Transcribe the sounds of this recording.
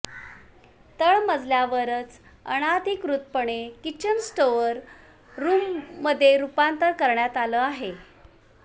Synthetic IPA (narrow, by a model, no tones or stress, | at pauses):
t̪əɭməd͡zljaʋəɾət͡s | ə̰ɽ̃at̪ikɾut̪̚pəɳekit͡ɕənsʈoʋəɾː | uːmːəd̪ʱːjeɾupant̪əɾkəɾɳjat̪aləːaɦe